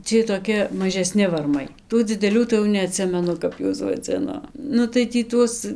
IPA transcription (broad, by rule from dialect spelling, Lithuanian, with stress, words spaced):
ˈt͡sʲiɛj toːˈkʲɪ mɐʒʲɛˈsʲnʲɪ ʋɐrˈmɐɪ ˈtuː d͡zʲɪdʲɛˈlʲuː tɐɪ jɛʊ nʲɛɐˈtʲsʲɪmʲɛnʊ ˈkɐp juɔs ʋɐˈd͡zʲɪnoː ˈnʊ tɐɪ tʲiː ˈtuɔs